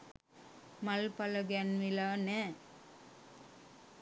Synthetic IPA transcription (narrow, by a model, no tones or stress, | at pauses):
mɐlpɐlɐɡɛnmɪlaːnɛː